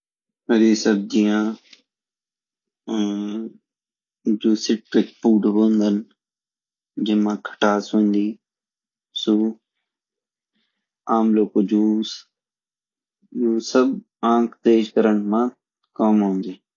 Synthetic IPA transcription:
ɦəɾiːsəb̚d͡ʒijãː | d͡ʒoːsɪʈɾɪk̚puːʈɦõːnd̪ən | d͡ʒɪmãːkʰə̥ʈaːsũːnd̪iː | suː | aːmloːkod͡ʒuːs | jũːsəb | ãːkʰt̪eːʃkəɾəɳmãː | kəmɦõːnd̪eː

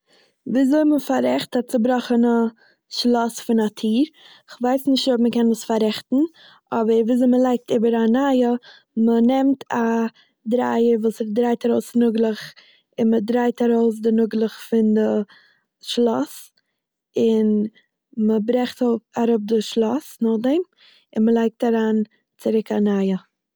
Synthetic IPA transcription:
viːzoɪməfaɾɛχtat͡sɪbɾɔχəna | ʃlˠɔsfɪnatʰiːɾ | ɪχvaɪsnɪʃtːɔpməkɛnəsfaɾɛχtn̩ | ɔbəɾviːzoɪməlˠaɪk̚tɪbəɾanajə | mənɛmtʰa | dɾa̰ɪəɾvuːsɛdɾaɪtaɾoʊsnʊɡlˠəχ | ɪnmədɾaɪtaɾoʊs̬dɪnʊɡlˠəχfɪndɪ | ʃlˠɔs | ɪn | məbɾɛχtɔpaɾʊp̚dɪʃlˠɔsnɔχdɛm | ɪnməlˠaɪk̚taɾaːn | t͡sɪɾɪkanajə

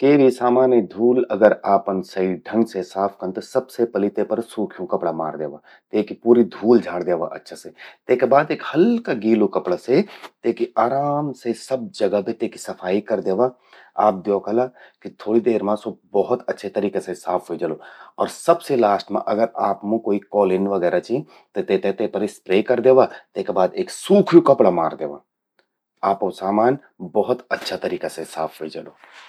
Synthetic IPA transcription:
keːbisaːmaːnjid̪ʱuːlɐɡəɾaːpənsɐiɖʱə̃ŋɡsesaːpʰkɐnt̪osɐbsepɐlɪt̪epɐɾsuːkʰijõkɐpɽama̰ːɾd̪eːʋaː | t̪eːkipuːɾid̪ʱuːld͡ʒʱaːɽd̪eːʋa̰ʔɐ̰tːʃʰaset̪eːkebaːd̪eːkhɐlkaɡiːlokɐpɽaset̪eːkiaːɾaːmsesɐb̚d͡ʒɐɡabʱit̪eːki̥sɐfʰaːikɐɾd̪eːʋa | a̰ːp̚d̪joːkəlaːkit̪ʰoːɽid̪eːɾmãsobɔɦʊt̪ɐtːʃʰet̪ɐɾiːkasesaːpʰɦoid͡ʒɐloːɔːɾsɐbselaːsʈmã̰ʔɐɡəɾaːpmũkoːikɔːlɪnʋɐɡɛːɾat͡ʃĩ | t̪ot̪et̪et̪epɐɾispɾeːkɐɾd̪eːʋat̪eːkebaːd̪eːksuːkʰjukɐpɽama̰ːɾd̪eːʋa̰ː | aːpːsaːmaːn | bɔɦʊt̪ɐtːʃʰat̪ɐɾiːkasesaːpʰɦeid͡ʒaloː

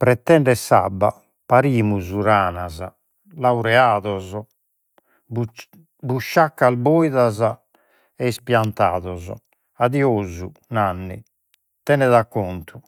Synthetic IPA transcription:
pɾɛt̪ːɛɳɖɛsa̰bːa̰ | paɾiːmuzuɾaːnaza̰ | lawɾɛaːðɔzɔ | buʃːakːalbojðaza | ɛispjant̪aːðɔzɔ̰ | aðioːzunanːḭ | t̪ɛnɛðakːɔnt̪ʰu̥

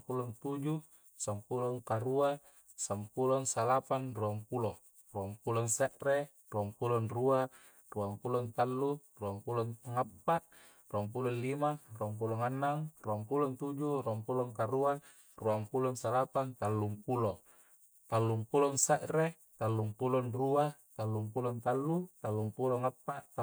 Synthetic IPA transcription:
pulɔŋt̪ud͡ʒu | sampulɔŋkaɾua | sampulɔŋsalapanruaŋpulɔ | ruampulɔŋsɛʔre | ruaŋpulɔnrua | ruampulɔŋt̪alːu | ruaŋpulɔnŋapːaʔ | ruamp̬ulɔnlimaruaŋp̬uloŋanːaŋruaŋpulɔnt̪ud͡ʒuruaŋpulɔŋkaɾua | ruaŋpulɔnsalapant̪alːuŋpulo | t̪alːumpulɔnsɛʔre | t̪alːuŋpulɔnruat̪alːumpulɔnt̪alːut̪alːumpulɔŋapːaʔt̪

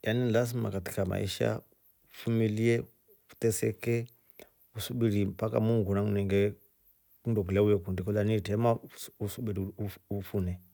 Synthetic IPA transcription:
janinlazima̰kati̥kama̰ḭʃa̰ | ufumiliɛ | u̥tɛsɛkɛ | usuɓiɾimpaka̰muŋɡunaŋunɛŋɡɛ | kundɔɡilaujɛkundikɔlanitɛmausuɓiɾiuufunɛ

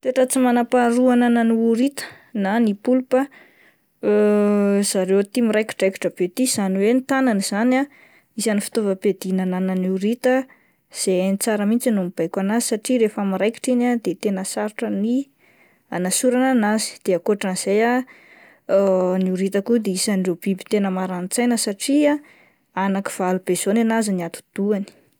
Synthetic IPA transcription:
t̪eʈ͡ʂət͡simanapaɾuanananiuɾit̪ə̥ | nanipulupə | z̥aɾewt̪imiɾajki̥ʈ͡ʂajki̥ʈ͡ʂəb̥et̪iz̥aniwenit̪ananiz̥ana | izanifi̥t̪ovəped̪inanananiuɾit̪ə | z̥enit͡saɾəmint͡sinumib̥ajkʲanazi̥saʈ͡ʂiɾefamiɾajki̥ʈ͡ʂinad̪et̪enəsaɾiʈ͡ʂəni | anasuɾananazi̥d̪̥eakoaʈ͡ʂaniz̥eja | niuɾit̪akud̪eisanɖ͡ʐeb̥ibi̥t̪enəmaɾant͡sajnəsaʈ͡ʂia | anaki̥v̥alub̥ez̥onanaziniat̪u̥d̪̥uani̥

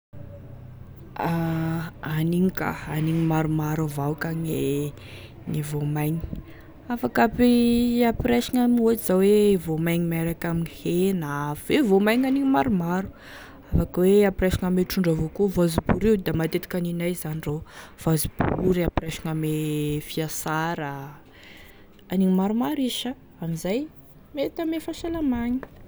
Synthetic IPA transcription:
a | aniŋika̰aniɲimaɾumaɾavawkaŋe | ŋivomajɲi̥ | afakapiapiɾaʃiŋamod͡ʒiz̥awevomajɲimaɾakaminihenav̥evomajɲaniŋimaɾumaɾu̥ | afakweapiɾeʃiŋameʈ͡ʂuɳɖ͡ʐavokuvazibuɾiwd̪amat̪et̪i̥kʲaninajzanirov̥azibuɾiapiɾeʃi̥ŋamefiasaɾə | aniŋimaɾumaɾiʃa | amizaj | met̪amefaʃalamaɲi̥

